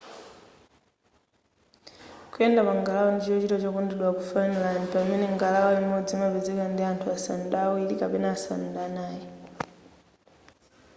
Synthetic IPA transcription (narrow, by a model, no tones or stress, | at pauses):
kuɛndamaŋɡalaɔndit͡ʃiɔt͡ʃitɔt͡ʃɔkɔndɛɗwakufanilanipamɛnɛŋɡalaɔimɔd͡zimapɛzɛkandiantʰuasandaːwilikapɛnaːsandanaːjɛ